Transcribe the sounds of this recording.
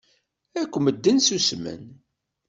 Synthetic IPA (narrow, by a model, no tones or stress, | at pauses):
ækʷːməd̪ːənsusmə̰n